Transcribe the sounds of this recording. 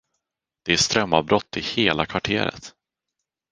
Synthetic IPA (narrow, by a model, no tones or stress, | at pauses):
d̪̥ɛæʂt̪ɾœmːɑvbɾɔt̪ːɪheːlakʰvaʈʰeːɾə̰t̪